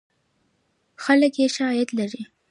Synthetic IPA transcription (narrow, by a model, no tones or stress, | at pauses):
xaləkjeʃaɾɑjat̪laɾi